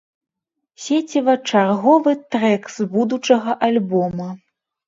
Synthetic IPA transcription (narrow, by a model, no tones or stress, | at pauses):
sʲet͡sʲivɐt͡ʂarɣɔvɨt̪ɾɛkzbud̪ut͡ʂɐɣɐʔalʲbɔmɐ